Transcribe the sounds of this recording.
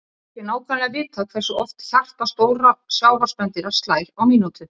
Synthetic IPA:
θjɛnaːwkʰvalɪavɪːt̪ʰːaːkʰθɛsʏɔft̪çar̥t̪ast̪oːwɾasjaːwvaspɛnt̪ɪɾḁst̪laːjɾawmiːnut̪ʏ

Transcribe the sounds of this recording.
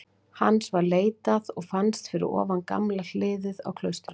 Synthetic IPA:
hanːsvaɾleːjt̪aðɔɣfanst̪fɪɾɪ̰ɾɔ̰ːvanka̰mlal̥ɪːðɪða̰wkʰlœɥst̪ɾa

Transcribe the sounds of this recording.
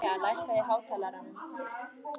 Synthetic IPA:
aːɽaʃajɦawtalaɾa

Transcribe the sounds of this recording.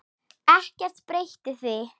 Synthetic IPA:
ɛhcɛr̥t̪pɾejht̪ɪθi

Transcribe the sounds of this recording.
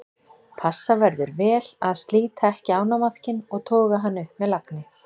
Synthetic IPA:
pʰasːavɛɾðʏɾvɛːlaðst̪liːt̪ʰaɛhcɪaːwnamaθcɪnɔɣt̪ʰɔːɣaɦanːʏpmɛðlaknɪ

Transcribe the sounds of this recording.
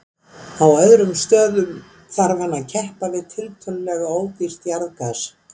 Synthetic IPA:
awœðɾʏmst̪œːðʏm | θaɾvanːaðcʰɛhpavɪðt̪ʰɪlt̪ʰœllɛɣaoːwcir̥t̪jaɾðkas

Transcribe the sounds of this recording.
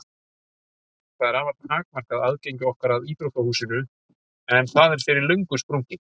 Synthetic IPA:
θaðɛɾaːvaɾt̪haːk̚mar̥kaðaðcejɲcʏɔhkaɾaðiːt̪ɾowhk̪ahuːsɪnʏ | ɛnθaðɛɾ̥fɪɾɪɾlœɥŋkʏspɾowɲcɪ

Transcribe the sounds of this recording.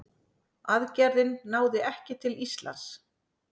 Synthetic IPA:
aðcɛɾðɪnːaːwðɪɛhcɪt̪ʰɪlist̪la̰ns

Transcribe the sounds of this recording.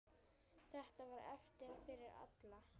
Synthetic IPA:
θɛht̪avaɾɛ̰ft̪ɪɾafɪɾɪɾa̰t̪la

